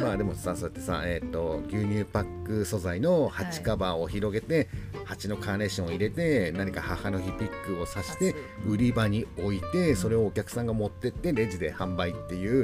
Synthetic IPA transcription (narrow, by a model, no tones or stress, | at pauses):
ad̪e̞mo̞sasot̪ːesa̰eːt̪ːo̞ɡʲɨːɲ̟ʲɨːpakːɯ̟so̞zaino̞hat͡ɕi̥kabao̞çiɾo̞ɡe̞t̪e̞hat͡ɕino̞kaːne̞kɕõiɾe̞t̪e̞naɲ̟ikahahano̞çipʲikːɯ̟o̞saɕi̥t̪e̞ɯ̟ɾʲibaɲ̟io̞it̪e̞so̞ɾe̞o̞ːkʲakɯ̟̥sãŋɡamo̞t̪ːe̞t̪ːe̞ɾe̞d͡ʑid̪e̞hãmbait̪ːe̞jɯ̟ː